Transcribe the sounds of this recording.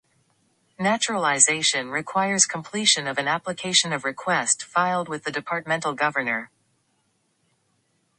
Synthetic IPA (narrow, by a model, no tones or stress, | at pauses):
næt͡ʃɹəlˠəzeɪʃɨ̃nɹɨkʰw̥aɪə˞z̥kʰə̃m̩pʰl̥iʃɨ̃nʌvɨ̃næplɨkʰeɪʃɨ̃nʌvɹɨkʰw̥ɛstfaɪlˠd̚wɨðɨdɨpʰɑɹt̚mɛ̃ntˡl̩ˠɡʌvə˞nə˞